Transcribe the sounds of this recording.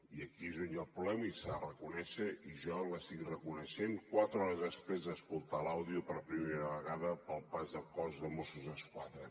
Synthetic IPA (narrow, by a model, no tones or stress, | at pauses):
iəkiezonjalˠpɾulɛmisaərəkunɛʃəʔiʒɔləsiɣirəkunəʃeŋkwat̪ɾəɔɾəzðəspɾezðəskulˠt̪alawðiupəɾpɾimeɾəβ̞əɣaðəpəlˠpazðəkɔzðəmosuzðəskwaðɾə